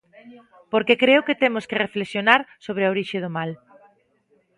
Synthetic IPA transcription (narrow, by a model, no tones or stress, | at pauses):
poɾkekɾeʊket̪emʊskerefleksjonaɾsoβ̞ɾeaoɾiʃeðomal